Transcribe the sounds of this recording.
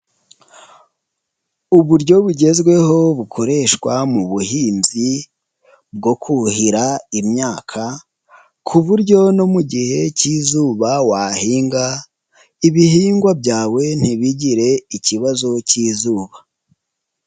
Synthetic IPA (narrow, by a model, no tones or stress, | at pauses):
uβuɾɟo̞βuɟe̞zɡwe̞ho̞βukʰo̞ɾe̞ʃkwamuβuhiːmzi | b̚ɡo̞kʰuhiɾaimɲaːkʰa | kʰuβuɾɟo̞no̞muɟihe̞cizuːβawaːhiːŋɡa | iβihiːŋɡwabɟaːwe̞n̥hiβiɟiɾe̞iciβazo̞ciːzuːβa